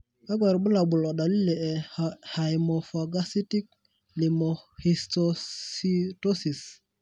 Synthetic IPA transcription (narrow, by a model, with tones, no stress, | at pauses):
a˦ɡɛ˨ɾbə˦la˨bu˨lɔ˨da˨li˦le˨ɛ˨ha˨jmo˨fo˨ɡa˦si˦ti˦k̚ | li˨mo˨hi˨stoito˦si˨s